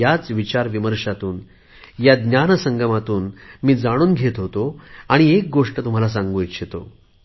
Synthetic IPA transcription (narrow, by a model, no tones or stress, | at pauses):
jat͡sʋit͡ɕaɾʋiməɾʂat̪uːn | jad̪njanəsəŋɡəmat̪uːnmiːd͡zaɽ̃uːnɡʱet̪ɦot̪oaɽ̃iek̚ɡoʂʈət̪um̤alas̬ãŋɡuit̪ɕʰet̪o̰